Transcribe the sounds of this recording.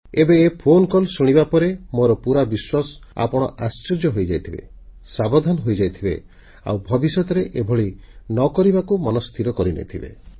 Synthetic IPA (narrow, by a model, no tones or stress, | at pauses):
ebeːpʰonkɔlsuɽ̃ibapɔɾemoɾɔpuɾabiswasɔ̥a̰pɔɽ̃ɔ̰ʔast͡ʃiɾd͡ʒjɔɦojd͡ʒajt̪ʰibḛ | sabɔd̪ʱanɔɦojd͡ʒajt̪ʰibḛ | a̰wbʱɔbisjɔt̪ɔɾeʔebʱɔɭi | nɔkɔɾibakumɔnɔst̪ʰiɾɔkɔɾinḛt̪ʰibḛ